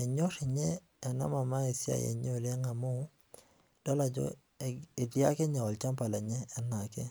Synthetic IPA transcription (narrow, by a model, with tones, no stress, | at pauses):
ɛ˨ɲɔ˦ʃɛ˨ɲɛː˦˨ | na̰˦ma˨ma˦i˨si˦a̰˨jḛ˨ɲo˦˨le˦ŋa˨mo˦ | d̥ɔ˦la˨d͡ʒɔ̰˦ | i˨di˦a˦kɛ˦ɲa˨ɔ˨lt͡ʃa˦mpa˨la˨ɲɛː˦na˨kɛ˦